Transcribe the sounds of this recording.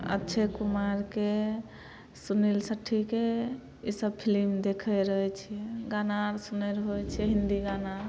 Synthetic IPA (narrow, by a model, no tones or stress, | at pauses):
ə̰tːt͡ʃʰekumaɾke | sunilsəʈʰːike | isəbpʰilimd̪ekʰɛɾəɦɛt͡ʃʰijɛɡanaɾsunɛɾɦojt͡ʃʰiɛɦind̪iɡanaɾ